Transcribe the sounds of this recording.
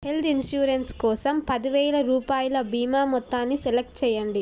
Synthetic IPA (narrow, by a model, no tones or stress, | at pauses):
helt̪inʃjuːɾenskɔːsɐmpɐd̪iʋɛːlɐɾuːpaːjɐlɐbiːmaːmɔt̪ːaːnːisɛlɐk̚ʈ̚t͡ʃɛjːɐɳɖi